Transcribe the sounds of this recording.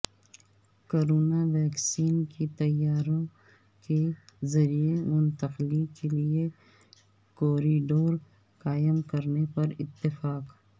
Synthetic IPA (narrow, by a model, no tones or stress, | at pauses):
koːɾoːnaʋɛːksiːnkit̪ɐjaːɾõ | kezɐɾiemʊnt̪ɐqlikelie | koːɾiɖoːɾ | qaːjəmkɐɾnepɐɾɪt̪ːɪfaːq